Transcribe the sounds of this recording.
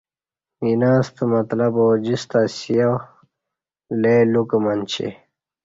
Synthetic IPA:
inaːst̪əmɐt̪lɐboːd͡ʑist̪asijaw | leːlukmɐnt͡ɕʰḛ

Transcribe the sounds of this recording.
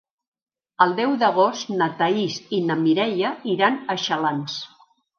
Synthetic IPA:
əlˠd̪ɛwd̪əɣ̞ost̪nət̪aisinəmiɾɛʎəiɾanəʃəlans

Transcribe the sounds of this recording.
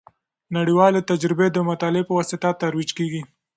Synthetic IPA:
naɽiwɑlet̪ad͡ʒɾɪbed̪əmat̪ɑlepəwɑsɪt̪at̪aɾwid͡ʒkeɡi

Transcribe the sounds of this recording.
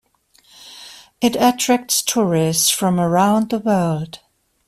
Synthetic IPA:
ɪɾətʰɹ̥æk̚tstʰʊɹɪstsfɹʌ̃mə˞ãʊ̃nðəwɜːlˠd̥

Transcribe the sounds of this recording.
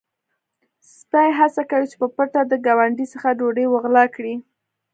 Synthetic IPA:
st̪ɑjɦasakawit͡ʃe̥pəpəʈad̪əɡawaɳɖisəxaɖoɖəjwəɣlɑkɽi

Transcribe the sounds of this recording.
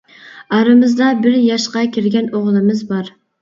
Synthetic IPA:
ɑɾɨmɨzd̪ɑbɪɾjɑʃqɑkʲʰɪɾɡʲɛnoʁlˠɨmɨzbɑɾ

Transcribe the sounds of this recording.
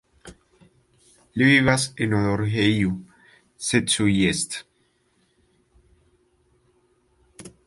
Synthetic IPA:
liiβasenoðoɾɦeju | set̪sujest̪

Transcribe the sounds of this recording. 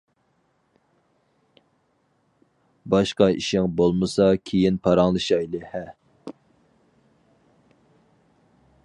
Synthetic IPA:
bɑʃqɑiʃɪŋbolˠmɨsɑkʲʰejinpʰɑɾɑŋlˠɨʃɑjlˠɨhɛ

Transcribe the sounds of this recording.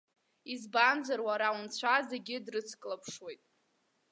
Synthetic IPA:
izband͡zarwaɾawunt͡ɕʷʰaze̞ɡʲɪdrɨt͡sʰkʼlapʰʂwe̞jtʼ

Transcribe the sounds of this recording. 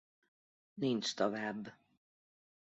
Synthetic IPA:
nint͡ʃt̪ɔvaːbː

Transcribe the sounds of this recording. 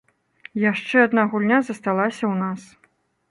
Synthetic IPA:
jaʂt͡ʂɛɐd̪naɣulʲnʲazɐst̪alˠasʲɐwnas

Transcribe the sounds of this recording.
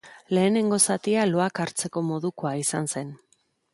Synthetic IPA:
le̞ːne̞ŋɡo̞sat̪ialo̞akaɾt͡se̞ko̞mo̞ðuko̞aisanse̞n

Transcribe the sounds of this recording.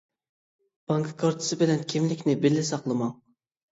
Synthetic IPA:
b̥ɑŋkʰɨ̥kʰɑɾt̪ʰɨ̥sɨbɪlɛnkʲʰimlɪkʲnɪbɪlːɪsɑqlˠɨmɑŋ

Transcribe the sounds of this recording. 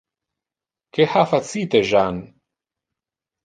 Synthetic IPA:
kehafat͡siːt̪eʒaːn

